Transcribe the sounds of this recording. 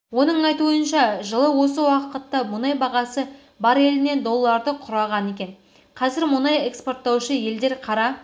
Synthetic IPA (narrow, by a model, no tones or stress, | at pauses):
wo̞n̪əɴɑjt̪uənʃɑʒəlˠəwo̞s̬əwɑqət̪ːɑmʊnɑjbɑʁɑsə | bɑɾe̞lɪne̞nd̪o̞lˠːɑɾd̪əqʰʊɾɑʁɑne̞kʲe̞n | qʰɑzɪɾmʊnɑje̞kspo̞rt̪ːɑwʃəje̞ld̪e̞ɾqʰɑɾɑ